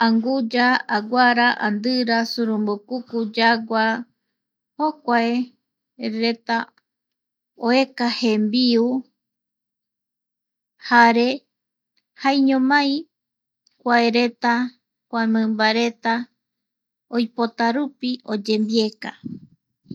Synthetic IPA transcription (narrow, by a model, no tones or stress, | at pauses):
aŋɡud͡ʒaːɡʷaɾaʔand̪ɨɾasuɾumbokukud͡ʒaɡʷa | hokʷae | ɾe̞t̪a | oe̞kahembiu | haɾe | hajɲõmãj̃ | kʷaeɾe̞t̪a | kʷamɨ̃mbaɾe̞t̪a | ojpo̞t̪aɾupiʔo̞d͡ʒembie̞ka